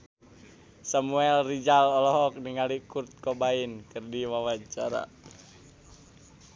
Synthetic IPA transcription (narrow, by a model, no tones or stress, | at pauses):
samuɛlrid͡ʒalɔlɔɦɔk̚niŋalikurt̪̚kɔbainkɨrdiwawat͡ʃaɾa̰